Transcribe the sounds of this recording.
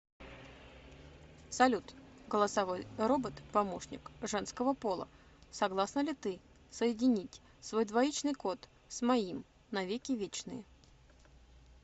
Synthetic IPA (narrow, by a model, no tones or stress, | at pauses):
sɐlʲut̪ɡəlˠəsɐvojro̞bət̪pɐmo̞ʂnʲɪ̰kʐɛnskəvəpo̞lˠə̰ | sɐɡlˠasnəlʲɪt̪ɨ | səjɪdʲɪnʲitʲ | svo̞jd̪vɐit͡ɕnɨjko̞t̪ | smɐim | nɐvʲekʲɪvʲet͡ɕnɨ̰jɪ